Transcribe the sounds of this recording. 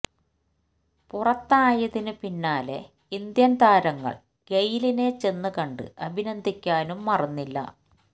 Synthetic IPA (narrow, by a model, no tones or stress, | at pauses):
purɐt̪ːaːjɐðinɨpinːaːle̞̰ | ind̪jɐnt̪aːɾɐŋːɐ̰ɭ | ɡejiline̞t͡ɕe̞nːɨkɐɳɖɨ̰ʔɐbʱinɐnd̪ʱikʲːaːnumːɐrɐnːilːɐ̰